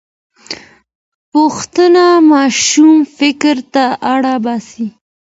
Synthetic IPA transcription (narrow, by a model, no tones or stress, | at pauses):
pʊxt̪ənamɑʃumfɪkɾt̪aʔaɽabɑsi